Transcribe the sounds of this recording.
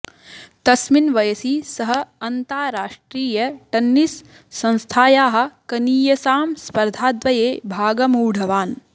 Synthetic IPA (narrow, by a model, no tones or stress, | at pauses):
t̪ɐsminʋɐjɐsisɐɦɐ̆ɐnt̪aːɾaːʂʈɾiːjɐʈɐnːisː | ɐ̃ñst̪ʰaːjaːɦɐ̆kɐniːjɐsaːmspɐɾd̪ʱaːd̪ʋɐjeːbʱaːɡɐmuːɖʱɐʋaːn